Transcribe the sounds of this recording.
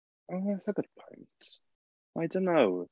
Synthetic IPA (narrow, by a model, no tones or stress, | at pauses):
oʊðasəɡʊd̥̚pʰɔ̃ɪ̃nt | ʔaɪdonoʊ